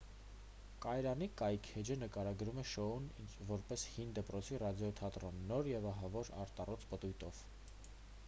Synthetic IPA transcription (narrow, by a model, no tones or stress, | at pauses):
kɑjɾɑnikɑjkʰɛd͡ʒənəkɑɾɑɡɾumɛʃɔunvɔɾpɛshind̪əpɾɔt͡sʰirɑd̪jɔt̪ʰɑt̪rɔnːɔɾjɛvɑɦɑvɔɾɑ̰ɾt̪ɑrɔt͡spət̪ujt̪ɔv̥